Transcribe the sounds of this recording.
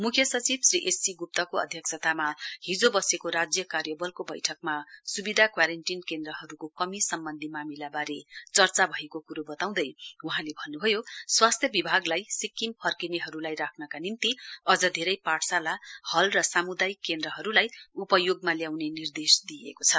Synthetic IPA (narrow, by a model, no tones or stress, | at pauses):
mukʰjʌsʌt͡sibsriʔesiɡup̚t̪ʌkoʌ̰d̪ʱjʌksʰʌt̪amaɦid͡zobʌsekoɾad͡zjʌkarjʌbʌlkobʌjʈʰʌk̚masubid̪ʱakwaɾenʈinkend̪rʌɦʌɾukokʌmisʌmbʌnd̪ʱimamilabaɾet͡sʌrt͡sabʱʌekokuɾobʌt̪aw̃d̪ʌjuɦãlebʱʌnːubʱʌjoswast̪ʰjʌbibʱaɡlajsikːimpʰʌrkineɦʌɾulajrakʰnʌkanint̪iʌd͡zʌd̪ʱeɾʌjpaʈsalahʌlrʌsamud̪ajkːend̪ɾʌɦʌɾulajupʌjoɡ̚maljawnenird̪esd̪iḛkot͡sʰʌ